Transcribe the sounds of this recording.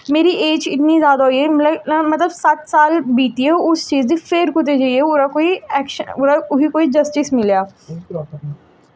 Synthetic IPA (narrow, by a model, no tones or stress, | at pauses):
meːɾiʔeːd͡ʒɪt̪nizjaːd̪aɦoiɛmləmɐt̪ləbsɐt̪saːlbiːt̪iɦɛoʊst͡ʃiːzd̪iːfʰeːɾkʊt̪̬ed͡ʒaːiɛʊɾakoːiɛːkʃəʊɾaʊbikoːid͡ʒəsʈɪsmɪljaː